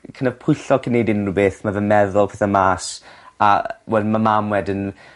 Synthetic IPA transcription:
kʰənə̥pʰʊjɬɔkʰənːejdɪnrubeːθmavəmɛðʊlˠpʰeːθəmaːsawɛldmamamwɛdɪn

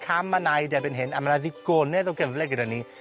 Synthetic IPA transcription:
kʰamːanajdɛbɪnɦɪnamənaðiɡ̥ɔːnɛðɔɡəvlɛɡəɾəni

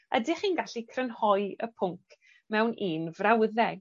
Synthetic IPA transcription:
ə̰dɪχiːnɡaɬikʰrənhɔjəpʰʊŋkʰ | mɛwnʔiːnvrawəðɛ

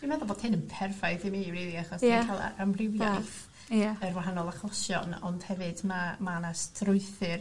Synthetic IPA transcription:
d̥imaðɔboːd̥hɪnənpʰɛrfaɨθimiɾiːðiaχɔskʰalˠa̰amrɪwjajθ | jaərwaɦanɔlˠaχlˠɔsjɔ̰nɔ̰nd̥hɛvɨdmamaanastʰrʊɨθɨr

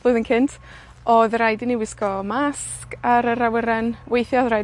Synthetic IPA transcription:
b̥lɨːðənkʰɪntʰ | ɔðrajdɪniwɪskɔmaskaɾəɾawəɾɛnwejθjɔðraj

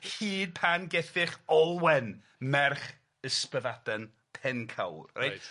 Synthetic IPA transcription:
hiːd̚pʰanɡɛθɪχɔlˠwɛn | mɛrχ | əspəðad̥ən | pʰɛnkʰa̰wrrajt

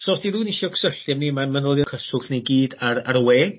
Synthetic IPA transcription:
sɔstiɾuːnɪʃɔksəɬɛmnimamənəlˠjɔkʰəsʊɬnejɡiːdaraɾweː

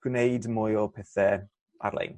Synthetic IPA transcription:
ɡ̥wɪnejdmʊjɔpʰɛθɛ | a̰ɾlḛjn

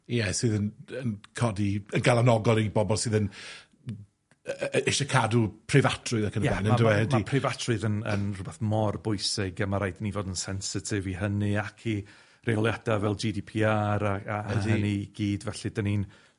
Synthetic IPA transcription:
jɛsɨːðənənkʰɔdiənɡalˠanɔɡɔlˠibɔbɔlˠsɨːðən | ɪʃakʰadupʰrɪvatʰrʊɨðakʰənəjɛɛnəndəwɛdmipʰrɪvatʰrʊɨðənənrʊbɛθmɔrbʊɨsɛɡəmaɾajdnivodənsɛnsɪtʰɪvihəniakʰi | reɔlˠjadavɛlˠd͡ʒidipʰiːaɾaaðiəniɡ̥iːdvɛɬidanin

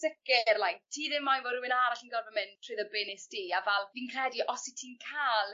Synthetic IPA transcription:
sɪkɪrlˠajktʰiːðɪmːajvɔɾuwɪnaɾaɬənɡɔrvəmɪntʰrɨðəbɪnɪsd̥iːavɛlˠviːnkʰrɛdiʔɔsitʰiːnkʰaːlˠ

